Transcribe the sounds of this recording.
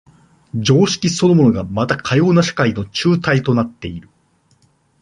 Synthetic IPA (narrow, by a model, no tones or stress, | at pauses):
d͡ʑo̞ːɕi̥kʲiso̞no̞mo̞no̞ɡamat̪akʰajo̞ːnaɕḁkaino̞t͡ɕɨːt̪ait̪o̞nat̪ːe̞iɾɯ̟